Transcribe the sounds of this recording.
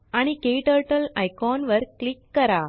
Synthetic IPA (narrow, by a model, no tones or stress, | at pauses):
aɽ̃ikeʈəɾʈəlajkɔnʋəɾklikːɐɾa